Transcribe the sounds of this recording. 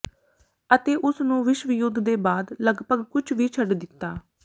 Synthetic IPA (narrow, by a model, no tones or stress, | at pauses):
ət̪eːʔʊsnũːʋɪʃʋɪjʊd̪ʱd̪eːbaːd̪ləɡpəɡkʊt͡ʃʰʋiːt͡ʃʰəɖd̪ɪt̪ːaː